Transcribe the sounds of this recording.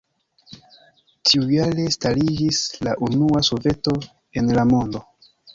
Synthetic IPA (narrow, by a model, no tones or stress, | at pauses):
tʰiujaɾe̞stalid͡ʒislaʔunuaso̞ve̞to̞ | e̞nlamo̞ndo̞